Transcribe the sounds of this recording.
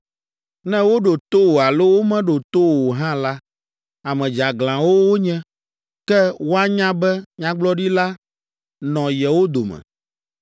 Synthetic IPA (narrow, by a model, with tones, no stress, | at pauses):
nɛ̃˦wo˦ɖo˨t̪o˦wo˨a˨lo˦wo˦mɛ̃˦ɖo˨t̪o˦wo˨ɦã˦la˦ | a˨mɛ̃˨d͡ʒa˨ɡlã˨wo˦wo˦ɲɛ̃˦ | kɛ˦wo˦a˦ɲã˦bɛ˦ɲã˦ɡ͡blɔ˦ɖi˦la˦ | nɔ̃˨jɛ˨wo˦d̪o˨mɛ̰̃˨